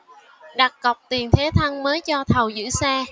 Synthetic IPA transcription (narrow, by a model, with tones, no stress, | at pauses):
ɗa˨˩k̚kə˨˩wk͡p̚t̪i˨˩ənt̪ʰe˨˦t̪ʰa˧ŋməː˨˦jt͡ɕɔ˧t̪ʰə˨˩wzɨ̰˧˥saː˧